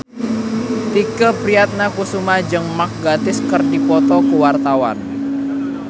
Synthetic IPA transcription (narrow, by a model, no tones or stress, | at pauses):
t̪ikəpɾiat̪̚nakusumad͡ʒəŋmak̚ɡat̪ɪskərdipɔt̪ɔkuwart̪awa̰n